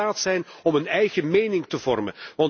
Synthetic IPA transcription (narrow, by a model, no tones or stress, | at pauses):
aːtsɛjnɔmənɛjɣəmeːjnɪŋtəvɔrmə̰nʋɑn